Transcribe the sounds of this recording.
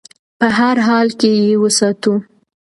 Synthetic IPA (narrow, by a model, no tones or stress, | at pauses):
pəɦaɾɦɑlkejewəsɑt̪u